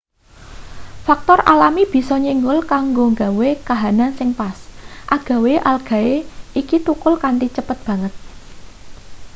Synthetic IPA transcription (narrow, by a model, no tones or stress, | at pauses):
fak̚t̪ɔralamib̥i̤sɔɲiŋɡʊlkaŋɡoŋɡawekaɦanansɪŋpasʔaɡ̥a̤weʔalɡ̥ä̤eikit̪ukʊlkant̪it͡ʃəpət̪̚b̥ä̤ŋət̪̚